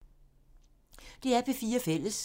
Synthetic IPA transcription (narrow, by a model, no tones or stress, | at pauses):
d̥e̝æɐb̥ʰe̝fiːɐfel̰əs